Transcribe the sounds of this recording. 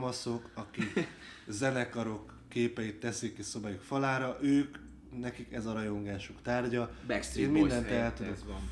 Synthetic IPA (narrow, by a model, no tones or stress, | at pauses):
mɒso̞kɒkik | zɛnɛkɒɾo̞kːeːpɛjit̪ːɛsikːiso̞bajukfɒlaːɾɒʔøːk | nɛkikɛzɒɾɒjo̞ŋɡaːʃukt̪aːrɟɒbɛeːnmind̪ɛnt̪ɛɛlt̪ud̪ok